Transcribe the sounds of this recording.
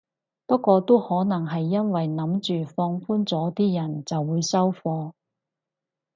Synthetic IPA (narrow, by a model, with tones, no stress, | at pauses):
pɐ˥kːʷɔː˧t̪o˥whɔː˨˥nɐ˨˩ŋɦɐ˨jːɐ˥nwɐ˨jnɐ˨˥mt͡ʃyː˨fɔː˧ŋfuː˥nt͡sɔː˨˥t̪iː˥jɐ˨˩nt͡sɐ˨wːuː˨˧jsɐ˥wfɔː˧